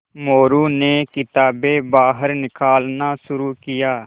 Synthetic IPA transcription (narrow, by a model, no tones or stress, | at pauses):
moːɾuːneːkɪt̪aːbeːbaːɦəɾnɪkaːlnaːsʊɾuːkɪjaː